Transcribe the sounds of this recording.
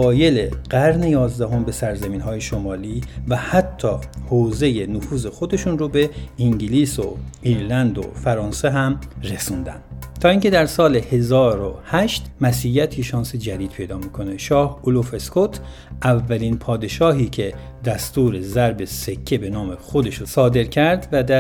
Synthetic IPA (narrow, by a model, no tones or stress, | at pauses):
ɒːje̞leɢ̥æɾne̞jɒːzd̪æɦo̞mbe̞sæɾzæmiːnɦɒːje̞ʃomɒːliːvæhæt̪ʰːɒːhoːze̞je̞nofuːze̞xo̞d̪e̞ʃunrobe̞iŋɟiliːso̰iːɾlænd̪o̰fæɾɒːnse̞ɦæmre̞suːnd̪æ̰nd̪̥t̪ʰɒːiːŋce̞d̪æɾsɒːlehe̞zɒːɾohæʃt̪mæsiːjæt̪ʰiʃɒːnsed͡ʒæd̪iːd̪̥̚pʰe̞jd̪ɒːmiːkʰo̞neʃɒːholofe̞skʰot̪ʰ | ʔævːælinpʰɒːd̪e̞ʃɒːɦiːcʰe̞ | d̪æst̪uːɾe̞zæɾbe̞se̞cʰːe̞be̞nɒːme̞xo̞d̪e̞ʃosɒːd̪e̞ɾcʰæɾd̪væd̪æ